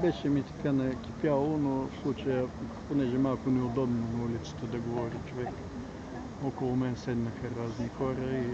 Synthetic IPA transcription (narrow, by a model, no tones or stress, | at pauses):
bɛʃɛmit̪ɐ̥kanɐkʲi̥pʲjalˠonofslˠut͡ʃəjəponɛʒɛmalˠkʊnɛod̪ɔbnonɐulʲit̪sə̥t̪əd̪ɐɡovɔɾit͡ʃovɛk | ɔkolˠʊmɛnsɛd̪nɐxəɾaznixɔɾəi